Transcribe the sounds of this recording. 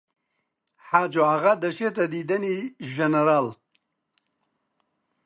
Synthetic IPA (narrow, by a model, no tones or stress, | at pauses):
ħad͡ʒoaɣad̪əʃet̪ad̪id̪əniʒanəɾal